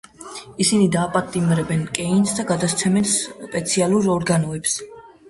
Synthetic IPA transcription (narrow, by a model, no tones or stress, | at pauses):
isinid̪aːpʼat̪ʼimɾɛbɛnkʼɛinsd̪aɡad̪ast̪sʰɛmɛnspʼɛt̪sʰialˠuɾɔɾɡanɔɛps